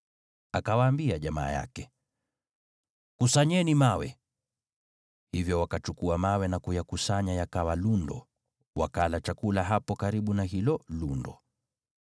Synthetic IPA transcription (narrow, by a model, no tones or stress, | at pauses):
akawaːmbiaʄama̰ːja̰kɛ | kusaɲɛnimawɛ | hivjɔwakat͡ʃukuamawɛnakujakusaɲajakawalundɔ̰ | wa̰kalat͡ʃakulaɦapɔkaɾiɓunaɦilɔlundɔ